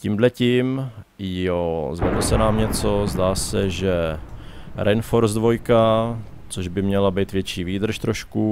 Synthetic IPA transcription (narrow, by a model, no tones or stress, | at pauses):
cimdlɛcimjozvɛd̪losɛnaːmɲɛt͡so̞zd̪aːsɛʒɛ | ɾʔɛjnfoɾzdvo̞jka | t͡so̞ʒbɪmɲɛlabit̪vjɛt͡ʃiːviːd̪r̩ʃt̪ɾoʃku